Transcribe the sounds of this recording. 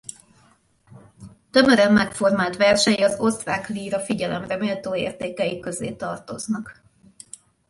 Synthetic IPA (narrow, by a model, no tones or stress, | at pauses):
t̪ø̞møɾɛmːɛkfo̞rmaːlt̪ʋɛrʃɛjiɒzo̞st̪raːkliːɾɒfiɟɛlɛ̰mrɛmeːlt̪oːḛːrt̪eːkɛjikø̞zḛːt̪ɒrt̪o̞znɒk